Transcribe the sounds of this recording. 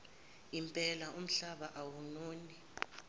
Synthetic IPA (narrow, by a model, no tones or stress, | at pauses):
impʼɛlaʔum̩ɬaɓaʔawunoːni